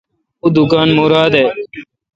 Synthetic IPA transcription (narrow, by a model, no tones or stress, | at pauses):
uːd̪ʊkaːnmuːɾaːd̪eː